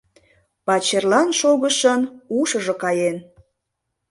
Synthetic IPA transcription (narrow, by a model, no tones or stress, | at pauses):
pɑt͡ɕerlɑnʃoɣəʃənuʃəʒɤkɑjen